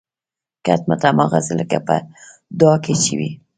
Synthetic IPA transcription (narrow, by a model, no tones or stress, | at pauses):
kat̪̚mat̪amɑɣazɪləkapə̰ | d̪ɑket͡ʃiwi